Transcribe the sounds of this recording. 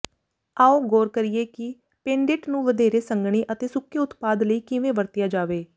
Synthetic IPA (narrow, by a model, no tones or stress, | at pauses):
aːoːɡoːɾkəɾijeːkɪ | pẽːɳɖeʈnũːʋəd̪eːɾeːsəŋɡɳ̃iːʔət̪eːsʊkːeːʊt̪paːd̪ləiːkɪʋẽːʋəɾt̪ɪjaːd͡ʒaːʋeː